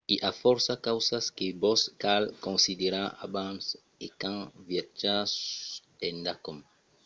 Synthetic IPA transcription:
iʔafɔɾsakawsaskɪbɔskalkõnsid̪eɾaa̰bãns | ekãŋvjat͡ʃasẽnd̪akom

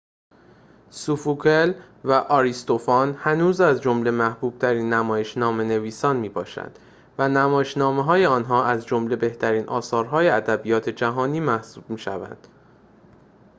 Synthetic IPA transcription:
sufukʰel | væʔɒːɾist̪o̞fɒnhænuːzæzd͡ʒo̞mle̞mæhb̥uːb̥̚t̪ʰæɾiːnːæmɒːje̞ʃnɒːme̞ne̞viːsɒːnmiːbɒːʃæ̰nd̪̥ | vænæmɒːjeʃnɒːmeɦɒːjeɒːnɦɒːæzd͡ʒo̞mle̞be̞ht̪ʰæɾiːnʔɒ̰ːsɒːɾɦɒːjeæd̪æbijɒːt̪ʰe̞d͡ʒæɦɒːniːmæhsuːb̥̚miːʃævæ̰nd̪̥

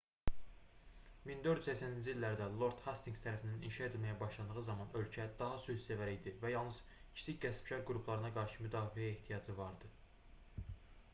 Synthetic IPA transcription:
mind̪øɾd̪yzæcsænind͡ʒiilːæɾd̪ælˠo̞ɾt̪hɑst̪iŋɡst̪ʰæɾæfinininʃɑe̞t̪lmæjæbɑʃlˠɑnd̪ɯʁɯzɑmɑnø̞lcʰæd̪ɑɦɑsyhse̞væɾijd̪ivæjɑlˠnɯz̥cʰi̥sʰicɟæspiʃɑɾɡɾupʰlˠɑɾɯnɑɡɑɾʃɯmyd̪ɑːfiæeht̪ʰijɑd͡ʒɯvɑɾd̪ɯ

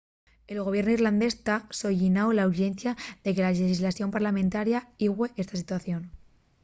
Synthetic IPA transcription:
e̞lɣo̞β̞je̞ɾnoirland̪e̞st̪aso̞ʝinaolauɾʝe̞n̟θjaðe̞ke̞lalexizlaθjo̞mpaɾlamẽnt̪aɾjaiɣwe̞ʔe̞st̪asit̪waθjo̞n

